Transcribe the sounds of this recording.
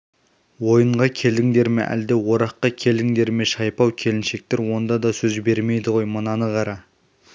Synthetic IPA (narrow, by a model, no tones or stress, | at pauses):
wo̞jəɴʁɑkʲʰe̞ld̪ɪŋd̪e̞ɾmḛʔæ̰ld̪e̞wo̞ɾɑqːɑkʲʰe̞ld̪ɪŋd̪e̞ɾme̞ʃɑjpɑwkʲʰe̞lɪnʃe̞k̚t̪e̞ɾwo̞nd̪ɑd̪ɑsɵzbe̞ɾme̞jd̪ɪʁo̞jmənɑnəʁɑɾɑ